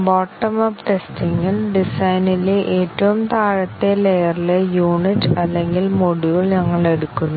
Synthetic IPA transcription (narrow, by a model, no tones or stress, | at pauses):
boːʈːɐmɐpʈe̞stiŋɡilɖisɐjnileʔeːtːɐʋumt̪aːɻɐt̪ːelejɐrilejuːniʈːɐlːe̞ŋɡilmoɽuɣiɭɲɐŋːɐɭe̞ɽukːunːu